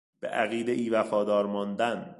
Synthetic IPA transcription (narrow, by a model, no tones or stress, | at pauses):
b̥ḛʔæɣiːd̪eʔiːvæfɒːd̪ɒːɾmɒːnd̪æn